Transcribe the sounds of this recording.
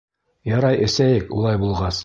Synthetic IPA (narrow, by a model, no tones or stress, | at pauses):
jɑɾɑjʔɘ̆sæjɘkṵlˠɑjbulˠʁɑs